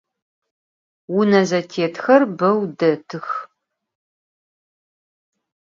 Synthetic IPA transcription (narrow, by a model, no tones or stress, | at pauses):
wʊnɐzɐtʰeːtxɐrbɐwdɐtʰɨx